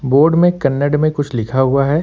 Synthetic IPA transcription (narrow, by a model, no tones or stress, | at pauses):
boːɾɖmẽkɐnːəɖmẽkʊt͡ʃʰlɪkʰaɦʊaɦɛː